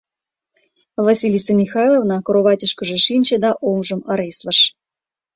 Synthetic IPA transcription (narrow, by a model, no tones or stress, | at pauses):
vasʲilʲisəmʲixɑjlˠovnɑkoɾoβɑtʲəʃkə̆ʒĕʃinʲt͡ɕĕd̪ɑʔomʐɤ̆mə̆ɾesʲlˠə̆ʃ